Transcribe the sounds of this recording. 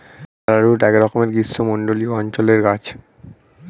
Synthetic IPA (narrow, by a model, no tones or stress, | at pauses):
aɾaɾuʈɛkɾɔkomeɾɡisːomoɳɖolioɔnt͡ɕoleɾɡat͡ɕʰ